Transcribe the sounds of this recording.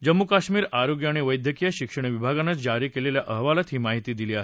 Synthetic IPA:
d͡ʑəmːukaɕmiːɾaɾoɡjəaɽ̃iʋəjd̪ʱjəkijəɕikʂəɳ̃iʋibʱaɡanət͡sd͡ʑaɾiːkeleljaʔəɦʋalət̪ɦiːmaɦit̪iːd̪iliːa

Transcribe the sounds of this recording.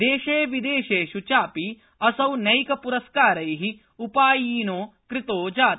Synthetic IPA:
d̪eːʃeːʋid̪eːʃeːʃut͡ʃaːpi | ɐsɐwnɐjkɐpuɾɐskaːɾɐjɦi | upaːjiːnoːkɾɪt̪oːd͡ʒaːt̪

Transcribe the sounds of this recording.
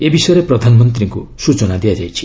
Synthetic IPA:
ebisʌjɾeprʌd̪ʱanmʌnt̪riŋkosut͡sɔnad̪ijad͡zajt͡sʰi̥

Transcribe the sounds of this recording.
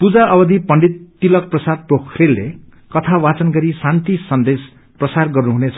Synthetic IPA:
pud͡zaʌbʌd̪ipʌɳɖit̪̚ːilʌk̚prʌsad̪̚prokʰrelːḛ | kʌt̪ʰawat͡sʌnɡʌɾisãnt̪isʌnd̪es | prʌsarɡʌrnuɦunet͡sʰʌ

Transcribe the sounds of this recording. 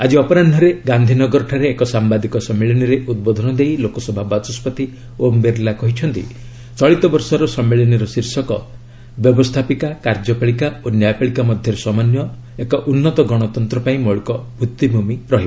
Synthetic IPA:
ad͡ʒiɔpɔɾanɖʱɔɾeɡand̪ʱinɔɡɔɾɔʈʰaɾeːkɔsambad̪ikɔsɔmːeɭiniɾeud̪̚bod̪ʱɔnɔd̪ejlokɔsɔbʱabat͡ʃɔspɔt̪i | ombeɾlakɔɦit͡ʃʰɔnt̪ḭ | t͡ʃɔɭit̪ɔbɔɾsɔɾɔsɔmːeɭɔniɾɔsiɾsɔkɔ | bjɔbɔst̪ʰapikakaɾd͡ʒɔpaɭikaonjajpaɭikamɔd̪ʱjɔɾesɔmanjɔ | ekɔʔunːɔt̪ɔɡɔɽ̃ɔt̪ɔnt̪ɾɔpaĩmɔɭikɔbʱut̪ːibʱumiɾɔɦi

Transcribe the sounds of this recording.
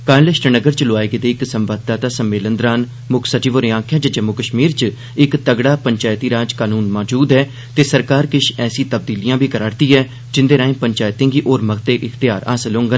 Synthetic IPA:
kaːlɪʃʈnəɡəɾt͡ʃloaːeɡet̪eːɪksəmbəd̪̚t̪aːt̪aːsəmːeːlənd̪ɾaːn | mʊkʰsət͡ʃiːʋoːɾeãːkʰjaːd͡ʒad͡ʒəmːʊkəʃmiːɾt͡ʃ | ɪkt̪əɡɽaːpəɲt͡ʃaːɪt̪iːɾaːd͡ʒkaːnuːnmɔːd͡ʒuːd̪ɦɛː | t̪eːsəɾkaːɾkɪʃɛːsĩːt̪əb̚d̪iːlijãːbʱiːkəɾaːɾt̪iːɛː | d͡ʒɪnd̪eːɾaːĩːpəɲt͡ʃaːjt̪ẽːŋɡiːʔoːɾməɡt̪eːʔɪxt̪ɪjaːɾa̰ːsəlɦõːŋɡə

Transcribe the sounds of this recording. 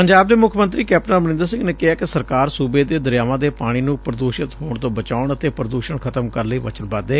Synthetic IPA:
pəɲd͡ʒaːb̚d̪eːmʊkʰəmənt̪ɾiːkɛːp̚ʈnaːbənɪ̃nd̪əɾsɪ̃ŋɡneːkɪɦaːkɪsəɾkaːɾsuːbeːd̪eːd̪əɾjaːʋãːd̪eːpaːɽ̃iːnũːpɾəd̪oːʃɪt̪ɦoːɳt̪õːbət͡ʃaːʊɳət̪eːpɾəd̪uːʃəɳkʰət̪əmkəɾləiːʋət͡ʃənbaːd̪eː

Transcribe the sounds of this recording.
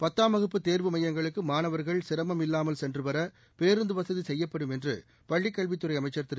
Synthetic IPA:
pɐt̪ːaːmɐɣɯpːɯt̪eːɾʋɯmɐjɐŋɡɐɭɯkːɯmaːnɐʋɐɾɣɐɭsɪɾɐmɐmɪlːaːmɐlsɛndrɯʋɐɾɐ | peːɾɯnd̪ɯʋɐsɐðisɛjːɐpːɐɽɯmɛndrɯ̰ | pɐɭːikːɐɭʋɪt̪ːɯɾɐɪɐmɐɪt͡ʃːɐɾt̪ːɪ

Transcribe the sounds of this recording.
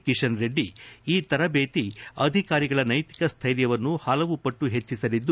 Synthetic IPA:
kiʂɐnɾe̞ɖːiiːt̪ɐɾɐbeːt̪iɐd̪ʱikaːɾiɡɐɭɐnɐjt̪i̥kɐst̪ʰɐjɾjɐʋɐnːuhɐlɐʋupɐʈːuɦe̞t͡ʃːisɐlid̪ːu

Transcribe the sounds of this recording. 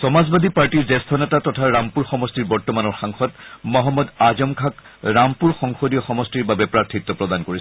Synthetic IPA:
sɔmazbad̪ʱipaɹʈiɹzɛst̪ʰɔnɛtatɔtʰaɹampuɹxɔmɔstiɹbɔɹtɔmanɔɹxaŋxɔtmɔɦɔmːɔd̪azɔmkʰak | ɹampuɹxɔŋxodijɔxɔmɔstiɹbabɛpɹatʰitːɔpɹɔd̪ankoɹis

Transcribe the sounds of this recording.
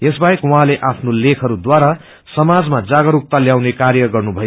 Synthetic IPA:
esbajekwuɦãleʔapʰnolekʰʌɾud̪waɾa | sʌmad͡zmad͡zaɡʌɾuk̚t̪aljawnekarjʌɡʌrnubʱʌj

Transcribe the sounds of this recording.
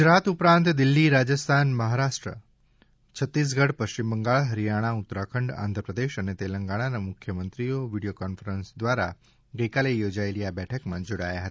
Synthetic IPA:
ɡʊd͡ʒɾat̪upɾãnt̪d̪ɪlːiɾad͡ʒəst̪ʰanməɦaɾaʂʈɾə̰ | t͡ʃʰət̪ːis̬ɡəɽpəʃt͡ɕimbəŋɡaɭɦəɾijaɽ̃aʊt̪ːɾakʰəɳɖã̰nd̪ʱɾəpɾəd̪eʃənet̪eləŋɡaɽ̃anamʊkʰjəmənt̪ɾioʋiɽijokɔnfəɾənsd̪ʋaɾa̰ | ɡəjkalejod͡ʒaeliabɛʈʰəkmãd͡ʒoɽa̰ja̰ɦət̪ḁ

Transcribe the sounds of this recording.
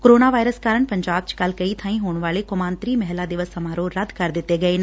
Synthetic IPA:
koɾoːnaʋaːjɾəskaːɾəɳ̃pɐɲd͡ʒaːb̚t͡ʃkɐlkɐit̪ʰãːĩɦoːɳ̃ʋaːlekʊmaːnt̪ɾiːmɛɦlad̪ɪʋəsɐmaːɾoːɾɐd̪ʱkɐɾd̪ɪt̪ːeːɡɐeːn

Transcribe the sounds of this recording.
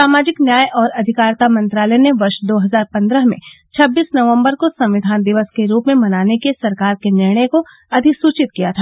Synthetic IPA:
saːmaːd͡ʒɪknjaːjɔːɾɐd̪ʱɪkaːɾt̪amɐ̃nt̪ɾaːləneʋɐɾʃd̪oːɦɐzaːɾpɐ̃nd̪ɾəɦmḛ̃ | t͡ʃʰɐbːiːsnɐʋə̃mbəɾkosɐ̃mʋɪd̪ʱaːnd̪ɪʋəskeɾuːpmẽmɐnaːnekesɐɾkaːɾkenɪɾɽ̃əjko | ɐd̪ʱɪksuːt͡ʃɪt̪̚kijat̪ʰaː

